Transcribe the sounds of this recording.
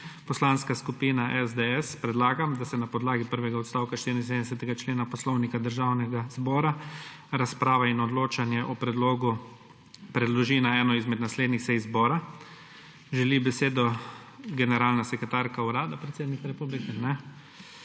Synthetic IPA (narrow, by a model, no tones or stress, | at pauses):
pɔslaːnskaskupiːnaʔɛzd̪ɛɛspɾɛd̪laːɡamd̪asɛnapɔd̪laːɡipəɾʋɛɡaɔt̪st̪aːwkaʃt̪iɾind̪sed̪ɛsɛt̪ɛɡat͡ʃleːnapɔslɔwnikad̪əɾʒawnɛɡazbɔːɾa | ɾaspɾaːʋainɔd̪loːt͡ʃanjɛʔɔpɾɛd̪loːɡu | pɾɛd̪lɔʒiːnaɛːnɔizmɛd̪nasleːd̪nixsɛjzbɔːɾa | ʒɛlibɛseːd̪ɔɡɛnɛɾaːlnasɛkɾɛt̪aɾkauɾaːd̪apɾɛt̪seːd̪nikaɾɛpublikɛnɛ